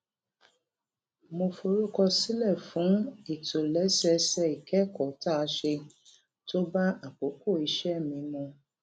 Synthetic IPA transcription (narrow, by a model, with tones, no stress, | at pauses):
mo˧fo˧ɾu˦kɔ˧si˦lɛ˦˨fũ˨˦i˨to˨lɛ˨˦sɛ˧˦sɛ˧˦i˨kɛ˦kɔ˨ta˦˧ʃe˧ | to˦ba˦a˨k͡po˨˦ko˦˨i˧ʃɛ˦˨mĩ˨˧˦mɔ̃˧